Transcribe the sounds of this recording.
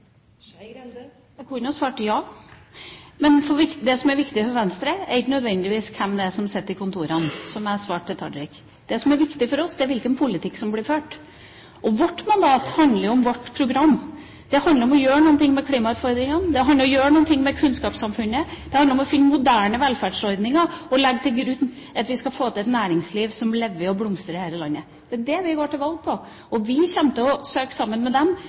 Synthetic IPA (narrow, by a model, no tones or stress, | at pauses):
ɾɛd̪ | kʰɔːnəɑsʋɑːʈjɑː | mɛnfɔɾʋɪkd̪ɛsɔmæɾʋɪkt̪ɪfɔɾʋɛnst̪ɾəæɾɪkːənœd̪ʋɛnːd̪ɪʋiːskʰɛmd̪ɛæsɔmsɛt̪ːɪkʰʊnt̪ʰuːɾɑnsɔmɛsʋɑːʈʈ̪ʰɪlt̪ʰɑ̰ɖ̪ɾɪk | d̪ɛsɔmæɾʋɪkt̪ɪfɔɾɔsd̪ɛæɾʋɪlkənpʰʊlɪt̪ʰɪkːsɔmblɪɾføːʈ | ʔɔʋɔʈːmɑnd̪ɑːt̪hɑnd̪ləɾjʊɔmʋɔʈːpʰɾʊɡɾɑmː | d̪̥ɛhɑnd̪əɾɔmɔjøːɾəɳuːənt̪ʰɪŋmɛkʰliːmɑʉːt̪fɔɾd̪ɾɪŋənd̪ɛɦɑnd̪əɾɔjøːɾəɳuːənt̪ʰɪŋːmɛkʰʉnskɑːpsɑmfʉnːəd̪̥ɛhɑnd̪əɾɔmɔfɪnːmʊd̪æːɳəʋɛlfæɖʂɔɾd̪nɪŋɑɔlɛɡːt̪ʰɪlɡɾʉnː | ɑt̪ʋɪskɑfoːt̪ʰlɛt̪næːɾɪŋsliːʋsɔmlɛʋːəɔblʊmst̪ɾəɾhæːlɾəlɑnːə | d̪̥ɛææd̪ɛʋɪɡoːʈɪlʋɑlɡ̚pʰɔ | ɔʋɪçɛmt̪əɔsøːksɑmːənmɛd̪ɛm